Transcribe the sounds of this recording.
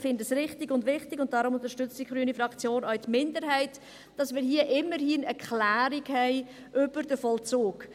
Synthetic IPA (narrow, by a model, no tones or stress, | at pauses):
fɪndəsɾɪχtɪɡʊndʋɪχtɪɡʊnt̚d̥ɑɾʊmʊnt̪əʃtʏt͡stiχɾyːnifɾɑkt͡sjoːnœɥtmɪndəɾɦɛɪt | d̥ɑsmɪːɾɦiəʔɪmːəɾhiːnɛɾkχlæːɾikhɛɪ | ʔʏb̥əɾd̥əfɔlt͡soːk